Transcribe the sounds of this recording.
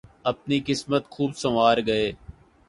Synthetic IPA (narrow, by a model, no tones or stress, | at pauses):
əpniːkɪsmət̪xʰuːbsəʋaːɾɡəeː